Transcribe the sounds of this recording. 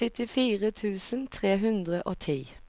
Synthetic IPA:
ɪt̪ɪfiːʁət̪ʰʉːsən̩t̪ʰʁeːɦʉnd̪ʁəʔoːt̪ʰiː

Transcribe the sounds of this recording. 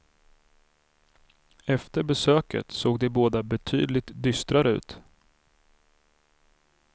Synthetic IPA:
ɛft̪əɾbɛsøːkə̰t̪soːɡd̪ɛboːd̪abɛt̪ʰy̰ːd̪lɪt̪d̪ʏst̪ɾaɾəʉ̟̰ːt̪

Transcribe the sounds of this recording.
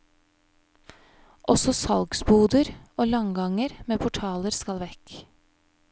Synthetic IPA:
ʔɔsɔsɑlɡsbuːd̪əɾʔoːlɑŋɡɑŋəɾmeːpʰʊʈʰɑːləɾskɑlʋɛk

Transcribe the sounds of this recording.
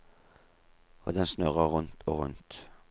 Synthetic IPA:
o̰ːd̪ɛnsnœʁəʁʉnt̪ʰoːʁʉ̰nt̪

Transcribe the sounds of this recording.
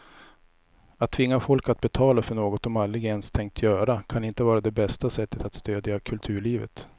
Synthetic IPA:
at̪ʰːvɪŋːafɔlkat̪̚bɛt̪ʰɑːlafœɳoːɡɔt̪ɔmalːɾɪɡɛnst̪ʰɛŋk̚t̪ʰjœːɾakʰanɪnt̪əvɑːɾad̪ɛbɛst̪asɛt̪ːət̪at̪st̪øːd̪jakʰɵlt̪ʰʉ̟ːɭiːvə̰t̪

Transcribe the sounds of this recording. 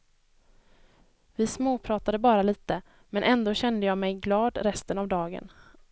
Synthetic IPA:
vɪsmoːpʰɾɑːt̪ad̪əbɑːɾaliːt̪ə | mɛnʔɛnd̪oːɕɛnd̪əjɑːmɛjɡlɑːd̪ɾɛst̪ənavd̪ɑːɡə̰n

